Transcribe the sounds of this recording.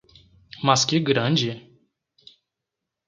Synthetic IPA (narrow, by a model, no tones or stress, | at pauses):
mɐskɪɡɾɐ̃d͡ʒɪ